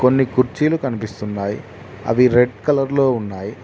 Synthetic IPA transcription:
ko̞nːikuɾt͡ʃiːlukɐnipist̪unːaːjḭ | ɐ̰ʋiɾe̞ɖkɐlɐɾlo̞ːunːaːji

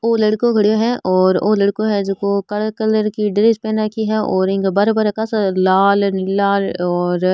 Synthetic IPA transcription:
oːlɐɽkõɡʱɐɽijõɦɛ̃ʔʔɔːɾoːlɐɽkõɦɛ̃d͡ʒʊkokɐɭkɐləɾkiɖɪɾed͡ʒpɛ̃nakiɦɛɔ̰ːɾɪ̃ŋkbɐɾbəɾkasalaːlnɪlːaːlɔːɾ

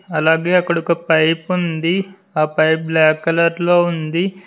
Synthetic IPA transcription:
ɐlaːɡe̞ːɐkːɐɽukɐpɐjpund̪i | aːpɐjplɛːkɐlɐɾlo̞ːund̪i

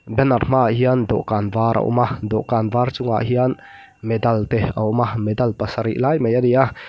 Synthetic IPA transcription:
bɛnɐrm̥aʔɦiand̪ɔ̰ʔkaːnvaːɾʔɐ̰ʔṵmad̪ɔʔkanvaːrt͡sʊŋa̰ʔɦian | mɛd̪ɐlt̪ɛɐʔʊmamɛd̪ɐlpɐsɐɾḭʔlaːjmejad̪ia

